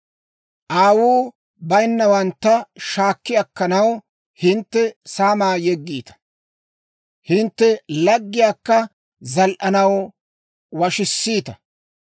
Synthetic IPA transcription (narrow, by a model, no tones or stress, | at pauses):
ʔaːwuː | bɐjnːɐwɐnt̪ːɐʃaːkːɪjɐkːɐnɐw | hɪnt̪ːɛsaːmaːjɛɡːiːt̪ɐ̥ | hɪnt̪ːɛlɐɡːɪjaːkːɐ | zɐlʔɐnɐw | wɐʃɪsːiːt̪ɐ